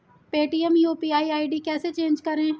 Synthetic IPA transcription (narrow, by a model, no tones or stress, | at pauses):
peːʈiɛmjoːpiːaːiaːiɖiːkɛːset͡ʃẽːnd͡ʒkəɾẽː